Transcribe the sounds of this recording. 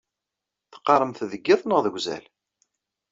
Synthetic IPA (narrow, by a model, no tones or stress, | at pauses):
θə̥qːɑɾˤəmθðəɡːɪðˤnəʁðəɡʷzæ̰l